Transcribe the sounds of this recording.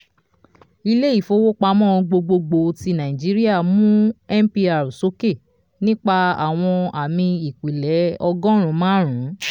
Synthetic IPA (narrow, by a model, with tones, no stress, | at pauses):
i˧le˦i˦˨fo˧wo˦k͡pa˧˦mɔ̃˦˨˧ɡ͡bo˧ɡ͡bo˧ɡ͡bo˧ti˧nã˨ĩ˨d͡ʒi˨˦ɾi˦a˦˨mũ˦ɛ˦m˦pi˧a˨ɾu˨so˨˦ke˦˨ | nĩ˦k͡pa˧a̰˨w̃ɔ̃˧a˨mĩ˧i˨k͡pi˨lɛ˨˦ɔ˧ɡɔ̃˦ɾ̃ũ˨˦mãː˦ɾ̃ũ˨˦